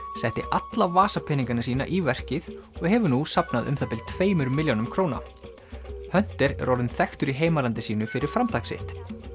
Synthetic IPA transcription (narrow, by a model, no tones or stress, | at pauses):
sɛht̪ɪ̰ʔat̪lavaːsapʰɪniŋkanasiːna̰ʔivɛr̥cɪðɔɣɦɛvʏnusapnaðʏ̰mθapɪlt̪ʰveːjmʏɾmɪljonʏmkʰɾoːwna̰ | hœn̥t̪ɪɾ̰ɾowɾðʏnθɛxt̪ʏɾiɦeːjmalant̪ɪsiːnʏfɪɾɪɾ̥fɾamt̪ʰaksɪ̰ht̪